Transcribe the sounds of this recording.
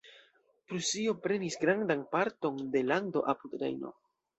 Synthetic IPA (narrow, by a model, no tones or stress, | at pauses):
pɾusio̞pɾe̞nisɡɾandanpaɾto̞nde̞land̪o̞̰ʔapud̪ɾḛjno̞̰